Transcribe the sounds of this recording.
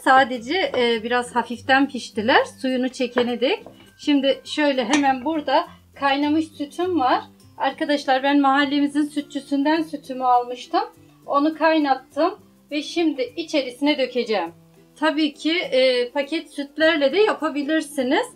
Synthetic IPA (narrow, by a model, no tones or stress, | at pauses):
saːd̪e̞d͡ʒɛʔːbiɾaz̥hafift̪ænpʰiʃt̪ilʲæɾ̥sujunut͡ʃʰe̞cʰened̪ɛc | ʃimd̪ɪʃø̞jlʲɛɦemænbuɾd̪a | kʰajnamɯʃsyt̪ʰymvaɾ̥ | aɾkad̪aʃlˠaɾbænmaɦalʲːemizinsyt̪̚t͡ʃʰysynd̪ænsyt̪ʰymyalˠmɯʃt̪ʰɯm | o̞nukʰajnat̚t̪ʰːɯm | vɛʃimd̪ɪit͡ʃʰe̞ɾisinɛd̪ø̞cʰe̞d͡ʒɛːm | t̪ʰabiːcʰipʰacʰɛt̪syt̪ʰlʲæɾlʲɛd̪ɛjapʰabilʲiɾsiniz̥